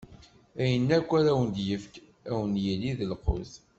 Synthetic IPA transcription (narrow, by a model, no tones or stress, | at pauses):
æjənːækʷːæɾæwənd̪jəfk | æwənjilːiðəlqʊ̰θ